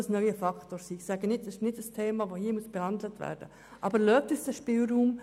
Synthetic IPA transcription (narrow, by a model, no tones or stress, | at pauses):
əsnœʏəfɑkʰtoːsiːxsæɡənɪtsɪʃnɪdəstʰeːmɑːʋoːhiːəmuəsb̥ɛhɑndlətvæ̰ːɾd̥ə̰ | ʔɑbəɾløːp̚tysd̥ɛʃpɪːlruːm